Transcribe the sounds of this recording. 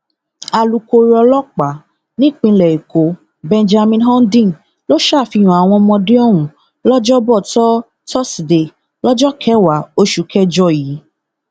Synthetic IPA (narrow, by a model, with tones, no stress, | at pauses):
a˨lu˧ko˧ɾɔ˧lɔ˦k͡pa˨˦ | nĩ˦˨k͡pĩ˧lɛ˨i˨ko˨˦ | bɛ̃˧nd͡ʒa˧mĩ˧nɦɔ̃˦n˦dĩ˦˨ | lo˦ʃa˦˨fi˧j̃ũ˨a˨w̃ɔ̃˧mɔ̃˧de˦ɔ˦˨wũ˨ | lɔ˦d͡ʒɔ˦bɔ˦˨tɔ˦ | tɔ˦sde˨ | lɔ˦d͡ʒɔ˦kʰɛ˦wa˨˦o˦ʃu˨˦kʰɛ˦d͡ʒɔ˦ji˨˦